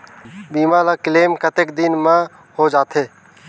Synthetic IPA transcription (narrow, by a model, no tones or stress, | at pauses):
biːmaːlaːkɪleːmkət̪ekd̪ɪnmã | hod͡ʒaːt̪ʰɦeː